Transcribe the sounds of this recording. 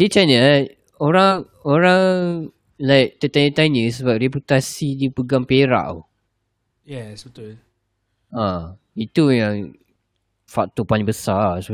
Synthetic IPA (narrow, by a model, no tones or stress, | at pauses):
dit͡ʃanəa | oɾaŋ | oɾaŋ | lajk̚t̪ət̪anə̃t̪anəsəbap̚reput̪asidipəɡaŋpeɾa̰ʔ | jɛsbət̪ʊl | ã | it̪ujaŋ | fak̚t̪opalĩŋbəsasə